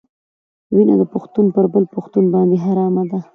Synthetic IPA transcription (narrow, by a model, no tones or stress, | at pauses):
wina̰d̪əpʊxt̪unpəɾbəlpʊxt̪unbɑnd̪eɦaɾɑmad̪a